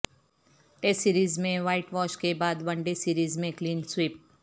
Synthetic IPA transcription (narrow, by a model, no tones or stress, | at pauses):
ʈeːsiːɾiːzmẽʋaːɪʈʋɔːʃkebaːd̪ʋɐ̃ɳɖesiːɾiːzmẽkliːnswiːp̚